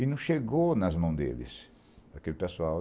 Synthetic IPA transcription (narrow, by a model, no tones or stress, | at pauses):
inũʃeɡonɐzmɐ̃w̃d̪ḛlɪ̰s | ɐkelɪpesuaw